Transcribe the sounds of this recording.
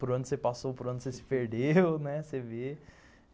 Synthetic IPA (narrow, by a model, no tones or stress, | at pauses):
pʊɾɐ̃nd̪ʊsepasowpʊɾɐ̃nd̪ʊsesi̥peɾɖewnɛseve